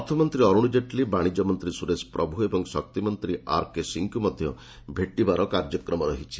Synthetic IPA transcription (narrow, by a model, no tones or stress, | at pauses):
ɔɾt̪ʰɔmɔnt̪ɾiɔɾuɽ̃id͡ʒeʈlibaɽ̃id͡ʒɔmɔnt̪ɾisuɾespɾʔɔbʱuebɔŋsɔ̰k̚t̪imɔnt̪ɾia̰ɾkesiŋkumɔd̪ʱjɔ̰ | bʱeʈːibaɾɔkaɾd͡ʒɔkɾɔmɔɾɔɦit͡ʃʰi̥